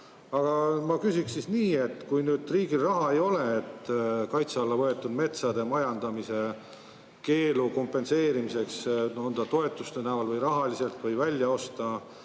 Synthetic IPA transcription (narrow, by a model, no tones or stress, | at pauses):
ɑɡ̥ɑmɑkysikssisniːe̞t̪ːkujnyːd̪̥riːɡilrɑɦɑe̞jo̞le̞et̪ːkɑjt̪seɑlːɑvɤe̞t̪ːˑud̪me̞t̪sɑd̪e̞mɑjɑnd̪̥ɑmise̞ | ke̞ːluko̞mpːˑe̞nse̞ːɾimise̞ksnond̪̥ɑt̪o̞e̞t̪ːˑust̪enævɑlvɤjɾɑɦɑlise̞lt̪ˑvɤjvælʲjɑo̞st̪ɑ